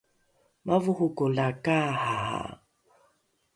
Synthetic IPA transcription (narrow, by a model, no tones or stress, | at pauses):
mavuhukɔlakahaa̰